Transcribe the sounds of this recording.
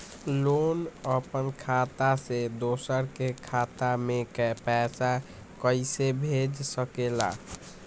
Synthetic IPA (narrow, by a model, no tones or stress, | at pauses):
lonəpənkʰat̪ased̪osəɾkekʰat̪amekɛpɛsa | kəɪsebʱed͡ʒsəkela̰